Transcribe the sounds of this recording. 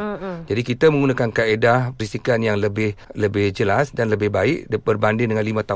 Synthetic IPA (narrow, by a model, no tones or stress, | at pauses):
d͡ʒadikit̪əmə̃ŋɡunakankaedapəɾist̪ikanjaŋləbɪhləbɪhd͡ʒəlasdanləbɪhbaɪʔdbərbandɪŋndəŋanlimãt̪a